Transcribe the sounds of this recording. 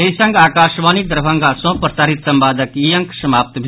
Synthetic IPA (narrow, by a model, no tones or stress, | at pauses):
esɐ̃ŋɡaːkaːʃʋaːnid̪ɐɾbʱɐ̃ŋɡaːsõːpɾsaːɾit̪sɐmbaːd̪ɐkiːjɐ̃ŋksɐmaːp̚t̪bʱ